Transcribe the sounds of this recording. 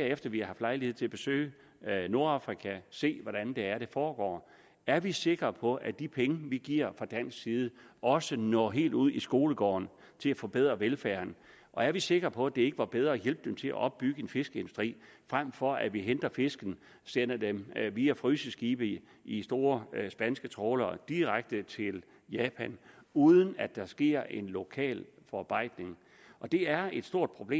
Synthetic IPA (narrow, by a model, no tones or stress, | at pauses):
æɐ̰efd̥ɐʋihɑ̈ɦɑ̈fd̥lɑ̈ɪlihe̝ð̰ˠt͡sʰe̝læb̥e̝sø̰ːɪ | no̝ɐɑ̈fʁikʰæse̝̰ːʋɒɾ̥ænd̥e̝æɐɾ̥e̝fɒːɡ̥ɒ̰ː | æɐʋise̝ɡ̥ʁɐpʰɒ̽ʔæd̥ipʰeŋəʋiɡ̥iɐ̰fʁɑ̈d̥æn̰sɡsiːð̞ˠəʔɒ̽sənɒ̰ːɦe̝̰ːld̥uð̰ˠisɡ̥o̝ːləɡ̥ɒ̰ːn | t͡sʰe̝læfɒ̽b̥eð̞̰ˠʁɐʋelfæɐn | ʔɒ̽æɐʋise̝ɡ̥ʁɐpʰɒ̽æd̥ee̝ɡ̥əʋɑ̈b̥eð̞ˠʁɐːjelb̥̚d̥emt͡sʰe̝læ̰ʔɒ̽b̥ːyɡ̥əe̝nfe̝sɡ̥əe̝ndusd̥ʁḭː | fʁam̰fɒ̽æʋiɦend̥ɐfe̝sɡ̥n̩ | sen̰ɐd̥emʋiːæfʁysəsɡ̥iːb̥ə | isd̥o̝ːɐsb̥ænsɡ̥ət͡sʰʁɔːlɐd̥iʁaɡ̥̚d̥ət͡sʰe̝l | jɛːpʰænuːðˠən̩æd̥ɑ̈sɡ̥e̝̰ɐ̰ʔe̝nlo̝kʰɛ̰ːlfɒɑ̈b̥ɑ̈ɪ̰d̥ne̝ŋ | ʔɒ̽d̥e̝æɐe̝d̥sd̥o̝ɐ̰d̥̚pʰʁo̝b̥le̝̰ː